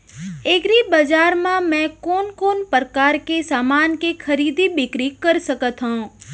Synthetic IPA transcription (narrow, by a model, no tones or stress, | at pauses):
ekɾibəd͡ʒaɾmãmɛ̃koːnkoːnpɾkaːɾkesaːmaːnkekʰəɾid̪ibɪkɾikːəɾsəkət̪ɦə̃